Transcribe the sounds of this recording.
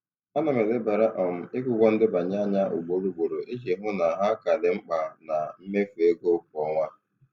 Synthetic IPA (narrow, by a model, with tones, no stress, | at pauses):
a˦na˨me˨lɪ˦ba˨ɾa˦ʔɔ˨m̩˨ɪ˦kʊ˦ɡʷɔ˦n̩˦dɪ˦ba˨ɲa˦ɲa˦ʔʊ̰˨ɡ͡bo˨ɾu˦ɡ͡bo˨ɾo˨ʔe˦d͡ʒe˨˦ɦʊ˦na˨ɦa˦ka˨lɪ˨ŋ͡m̩˦k͡pa˨na˨m̩˦me˦fe˦ɡo˦k̚ɔ˨˦ŋʷa˦